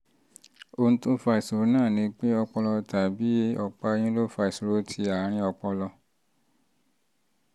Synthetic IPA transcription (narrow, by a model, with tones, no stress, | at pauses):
o˧nũ˦to˦fa˧i˨su˨ɾo˨˦nãː˦˨nĩ˨˦k͡pe˦ɔ˧k͡pɔ˧lɔ˧ta˨bi˨˦ɔ˨k͡pa˧j̃ĩ˦lo˦fa˧i˨su˨ɾo˨˦tʰi˧a˨˦ɾ̃ĩ˧˦ɔ˧k͡pɔ˧lɔ˧